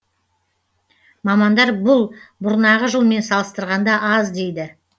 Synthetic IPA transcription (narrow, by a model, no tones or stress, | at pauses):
mɑmɑnd̪ɑɾbʊlˠbʊɾnɑʁəʒəlˠme̞nsɑlˠəst̪əɾʁɑnd̪ɑʔɑzd̪e̞jd̪ɪ